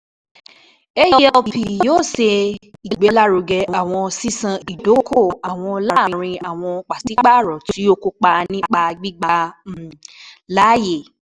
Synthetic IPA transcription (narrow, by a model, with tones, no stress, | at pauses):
e˦jɔ˧˨i˨joː˦˨se˧i˨ɡ͡be˨˦la˦ɾo˨˧ɡɛ˧˨a˨w̃ɔ̃˧si˦sã˧˨i˨do˨˦kʰo˦˨a˨w̃ɔ̃˧la˧˦˨ĩ˧ɾ̃ĩ˧a˨w̃ɔ̃˧k͡pa˨ti˨˦k͡pa˦˨ɾɔ˨ti˨˦o˧ko˧k͡pa˧nĩ˦k͡pa˧ɡ͡bi˦ɡ͡ba˧˨ | la˦je˦˨